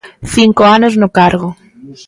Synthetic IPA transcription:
θiŋkoanoznʊkaɾɣʊ

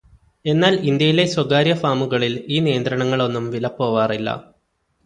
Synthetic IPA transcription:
e̞nːaːlind̪jɐjile̞swɐɡaːɾjɐfaːmuɣɐɭiliːnijɐnd̪ɾɐɳɐŋːɐɭo̞nːumʋilɐpːo̞ːʋaːrilːɐ̰

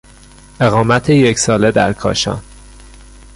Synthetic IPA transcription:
ʔe̞ɣɒːmæt̪ʰejecʰsɒːle̞d̪æ̰ɾkʰɒ̰ːʃɒ̰ːn

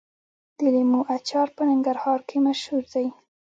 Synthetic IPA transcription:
d̪̥ilimuʔat͡ʃɑɾpənaŋɡaɾhɑɾkʰemaʃhuɾd̪aj

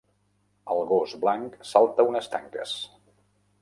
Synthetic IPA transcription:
əlˠɣozblaŋksalˠt̪əunəst̪aŋkə̰s

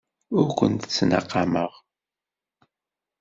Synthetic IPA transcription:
ʊɾkʷə̰nt̪t͡sːnɑ̰qːɑməʁ

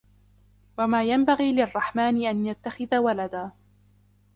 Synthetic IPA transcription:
wamaːjambaɣiːlɪrˤːɑħmaːnɪʔanjat̪ːaxɪðawalad̪aː

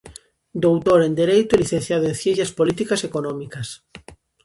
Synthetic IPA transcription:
d̪owt̪oɾend̪eɾejt̪ʊeliθẽn̟θjaðoẽnθjẽnθjaspolit̪ikasekonɔ̃mikɐs

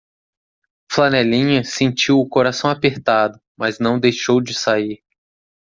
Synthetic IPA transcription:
flɐnɛlĩɲɐsẽnt͡ʃiwʊkoɾasɐ̃w̃apeɾt̪ad̪ʊ | mɐznɐ̃w̃d̪ejʃowd͡ʒɪsaiɾ

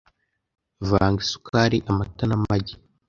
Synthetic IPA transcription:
vaːŋɡisu̥kʰaɾiʔamatanamaɟi

